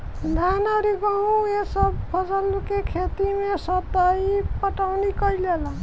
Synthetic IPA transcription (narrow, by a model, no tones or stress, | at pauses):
d̪ʱanaɾiɡaũesʌbpʰʌd͡zʌlukekʰet̪imesʌt̪ʌjpʌʈawnikʌjlela